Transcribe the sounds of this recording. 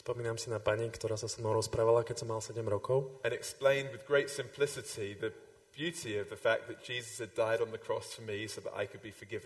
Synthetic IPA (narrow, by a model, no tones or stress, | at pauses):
spɔmiːnaːmsinapaɲikt̪ɔɾaːsasɔmnɔ̃ʊɾɔspɾaːʋalakɛcsɔmːalsɛɟɛmɾɔkɔʊə̃ñɛksplẽɪ̃ndwɪðɡɹeɪtsɪ̃mpʰl̥ɪsɪtʰiðɨ | b̥jʉtʰiəvðəfak̚ðɨt̚d̥ʒ̥iːzəshɨdaɪɾn̩ðəkʰɹ̥ɔstʰəmisoʊðə̰ɾa̰ɪkʰɨd̚bifə˞ɡɪṽn